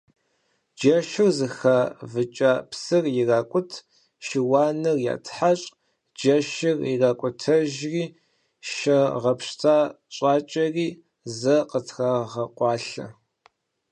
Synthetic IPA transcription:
d͡ʒɐʃɪrzɨxaːvɨt͡ʃʼaːpsɨrjɪraːkʷʼʊtʰ | ʃiwaːnɨrja̰ːtʰħaɕʼ | d͡ʒɐʃɪriraːkʷʼʊtʰɐʒriː | ʃɐʁɐpɕtʰaː | ɕʼaːt͡ʃʼɐriː | zɐqətʰxaʁɐqʷɑːɬɐ̰

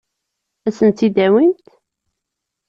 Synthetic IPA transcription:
æsənt̪id̪æwint̪

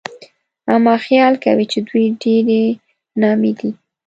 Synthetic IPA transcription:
amɑxjɑlkawit͡ʃed̪wujɖeɾe | nɑmed̪i

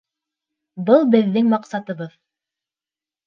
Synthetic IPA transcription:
bɤlˠbɘ̆ðːɘŋmɑqsɑt̪ɤ̆βɤð

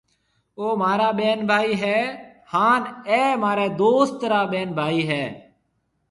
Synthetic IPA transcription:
oːmaːɾaːɓeːnbʱaːiːɦɛːhaːnɛːmaːɾeːd̪oːst̪ɾaːɓeːnbʱaːiːɦɛː

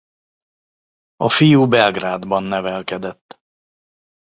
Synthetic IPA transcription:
ɔfiːubɛlɡɾaːd̪bɑnːɛvɛlkad̪ət̪ː

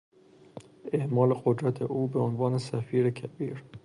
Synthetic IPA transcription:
ʔe̞ʔmɒːleɢod̪ɾæt̪ʰeʔuːbeonvɒːnesæfiːɾecʰæbiːɾ

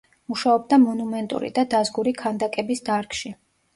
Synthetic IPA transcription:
muʃaɔb̚d̪amɔnumɛnt̪ʼṵɾḭd̪ad̪azɡuɾikʰand̪akʼɛbisd̪aɾkʰʼʃi

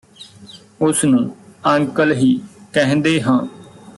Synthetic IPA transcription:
ʊsnũːə̃ŋkəlɦiːkɛɦnd̪eːɦãː

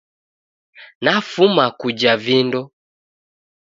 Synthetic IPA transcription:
nafumakud͡ʒavindɔ

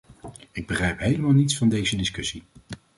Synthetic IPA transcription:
ɪɡ̚bəχrɛjpɦejləmaːlˠnitsfɑndejzədɪskɵsi

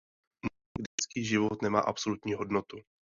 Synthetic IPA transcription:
n | ɡdɛt͡skiːʒɪvot̪nɛma̰ːʔapsolut̪ɲiːɦodnot̪u

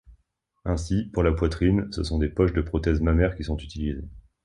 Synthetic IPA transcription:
ɛ̃sipuʁlapwat̪χinsəsɔ̃d̪epɔʃd̪əpχɔt̪ɛzmamɛʁkʲisɔ̃t̪yt̪ʰilize

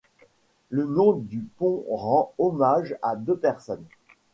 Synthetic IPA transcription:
lənɔ̃d̪ypɔ̃ʁɑ̃ɔmaʒad̪øpɛʁsɔn

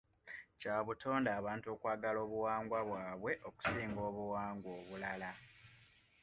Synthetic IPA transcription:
caːβutʰo̞ːndaːβaːntuo̞kwaːɡalo̞ːβuwaːŋɡwaβwaːβwe̞ʔo̞ku̥siːŋɡo̞ːβuwaːŋɡwo̞ːβulala

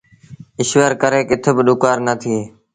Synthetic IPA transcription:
ɪʃʋəɾkəɾeːkɪt̪ʰbɪɗʊkaːɾnət̪ʰieː

